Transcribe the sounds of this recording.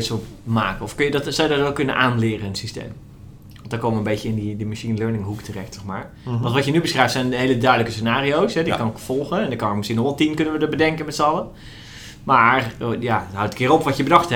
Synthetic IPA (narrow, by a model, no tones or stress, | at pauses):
tsomaːkəɔfkønjədɔtsɔwdɔrɛlkønə̰ʔaːnlɪːrəənsistḛːm | ʋɔntdɔkomənbeːtjəɪndidəmaʃinløːnɪŋɦuktʰərɛxtɔxmaːɹ | ʋɔ̃ntʋɔtjənybəsrɛjftsɛjnəɦeːlədœɥdələkəsənaːriowsɦɛdikɑnkfɔlˠɣəɛndɔkɑnokməskinɔʋɛlˠtinkønənʋədəbədɛŋkənmɛtsəɑlˠə | majaɦawtətkʰɪːɾopʋɔtjəbədɑxthɛ